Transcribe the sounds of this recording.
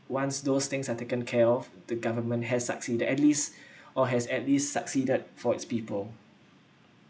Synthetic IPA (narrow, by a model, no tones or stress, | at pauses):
wãnsdost̪ɪ̃ŋsatekə̃nkʰɛɔfd̥əɡavəmə̃ntɦɛsːə̰ksidədɛtlisʔɔɦɛsɛtlistsəksidəd̚fɔɪtspiːpəl